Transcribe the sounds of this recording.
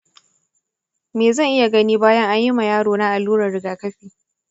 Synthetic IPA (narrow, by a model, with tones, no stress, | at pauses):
meː˨zɐ˦˨ŋʔɪ˦ja˨ɡɐ˦niː˦baː˦jɐ˦ŋʔa˦ɲjɪ˦ma˨jaː˦ɽoː˨na˦ʔa˨lːuː˦ɽɐ˨rɽɪ˦ɡaː˨kɐ˦ɸiː˨